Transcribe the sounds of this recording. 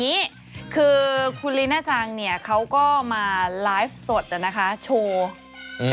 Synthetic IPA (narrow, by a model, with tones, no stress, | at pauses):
iː˦˥ | kʰɯː˧kʰu˧nli˦˥naː˥˩t͡ɕʰaː˧ŋni˥˩ɐkʰa˦˥wkɔː˥˩maː˧laː˦˥jf̚su˨˩ət̪̚a˨˩na˦˥kʰa˦˥t͡ɕʰoː˧